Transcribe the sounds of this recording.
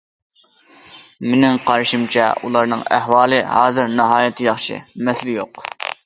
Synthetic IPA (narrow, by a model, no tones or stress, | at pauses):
mɪnɪŋqʰɑɾɨʃimt͡ʃʰɛ̰ulˠɑɾnɨŋæhwɑːlˠɨɦɑːzɨɾnɨɦɑːjɛt̪ʰɪjɑχʃɨ̰mɛsɪlɪjoq